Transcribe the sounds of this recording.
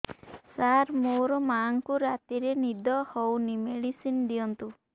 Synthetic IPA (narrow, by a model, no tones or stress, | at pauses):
saɾmoɾɔmaŋkuɾat̪iɾenid̪ɔhɔwnimeɽisind̪ijɔnt̪u